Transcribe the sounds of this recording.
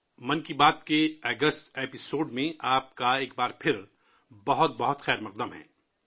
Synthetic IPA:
mɐnkibaːt̪̚keɐːɡəsʈ̪eːpɪsoːɖmẽʔaːp̚kaeːk̚baːɾpʰɪɾ | bɐɦʊt̪̚bɐɦʊt̪xɛːɾmɐq̚d̪əmɦɛ̰̃ː

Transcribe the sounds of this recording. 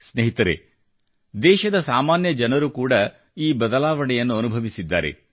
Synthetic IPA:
sneɦit̪ɐɾḛ | d̪ɛːʃɐd̪ɐsaːmaːnjɐd͡ʒɐnɐɾukuːɽɐ | iːbɐd̪ɐlaːʋɐɽɛjɐnːuɐnubʱɐʋisid̪ːaːɾe̞̰

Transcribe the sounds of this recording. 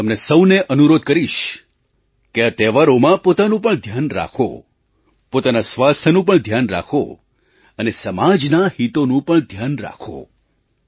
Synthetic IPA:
t̪əmnesəwneʔənuɾod̪̚kəɾiʃ | keət̪eʋaɾomãpot̪anũpəɳd̪ʱjanɾa̰kʰo̰ | pot̪anasʋast̪ʰənũp̬əɳd̪ʱjanɾa̰kʰo̰ | ənesəmad͡ʒnahit̪onũpəɳd̪ʱjanɾa̰kʰo̰

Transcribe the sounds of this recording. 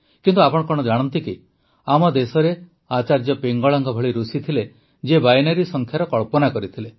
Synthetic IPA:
kint̪uapɔɽ̃ɔkɔɽ̃ɔd͡ʒaɽ̃ɔnt̪iki | amɔd̪esɔɾe | at͡ʃaɾd͡ʒɔpeŋɡɔɭaŋɡɔbʱɔɭiɾusit̪ʰile | d͡ʒebajnaɾisɔŋkʰjaɾɔkɔɭpɔnakɔɾit̪ʰile

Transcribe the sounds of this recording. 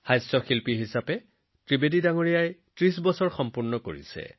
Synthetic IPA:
xajsɔxilpiɦisapɛ | tɹibedidaŋoɹijajtɹis̬bɔsɔɹxɔmpuɹnɔko̰ɹḭsɛ̰

